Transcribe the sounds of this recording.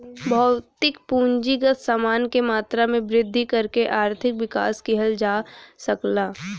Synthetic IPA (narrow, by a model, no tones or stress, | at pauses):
bʱɔʊt̪ɪkpũːɲd͡ʒiɡət̪saːmaːnkemaːt̪ɾamẽbɾɪd̪ʱːikɐɾkeʔaːɾt̪ʰɪkʋɪka̰ːskɪɦəld͡ʒaːsɐklaː